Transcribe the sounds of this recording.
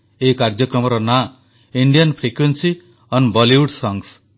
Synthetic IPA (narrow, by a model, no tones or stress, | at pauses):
eikaɾd͡ʒɔkɾɔmɔɾɔna | iɳɖijɔnpʰɾikwensi | ɔnbɔliuɖsɔŋs